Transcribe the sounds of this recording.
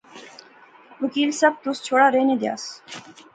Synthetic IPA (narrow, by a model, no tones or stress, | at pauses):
ʋəkiːlsɐb̚t̪ʊst͡ʃʰoːɽaːɾeːnẽːd̪ja̰ːs